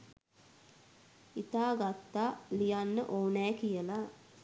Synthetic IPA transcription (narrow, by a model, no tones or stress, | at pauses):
it̪aːɡat̪ːaːlijanːəʔoːnɛːkijəla